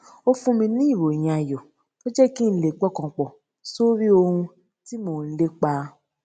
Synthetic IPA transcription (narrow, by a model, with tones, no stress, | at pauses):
o˦fũ˧mĩ˧nĩ˦i˦˨ɾo˨j̃ã˨a˨jɔ˨ | o˦d͡ʒɛ˦ki˦n̩˦le˨k͡pɔ˦˨kɔ̃˧k͡pɔ˨ | so˦ɾi˦o˧hũ˧ | ti˦moː˦˨n̩˦le˦k͡pa˧˦